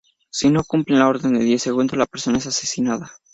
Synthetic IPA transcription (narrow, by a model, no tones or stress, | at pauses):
sino̞kumplenlao̞ɾðe̞nd̪eðjeseɣ̞und̪ozlapeɾso̞naesasesinaða